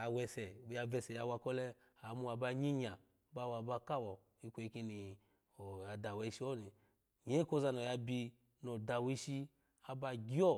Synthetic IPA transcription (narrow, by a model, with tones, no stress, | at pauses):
a˨wɛ˧sɛ˨wu˧˦ja˧vɛ˧sɛ˨ja˧wa˧kɔ˦lɛ˧ | a˨˦mu˦˧a˧ba˧ɲi˦ɲa˨ | ba˧wa˧ba˧ka˦wɔ˨ | i˧kʷo˧i˧ki˧ni˨ | o˨ja˧da˨we˧i˧˦ʃi˦ɔ˦ni˨ | ɲe˦ko˧za˧no˨ja˧bi˧ | no˨da˨wi˧ʃi˧ | a˧ba˧ɡʲi˦ɔ˦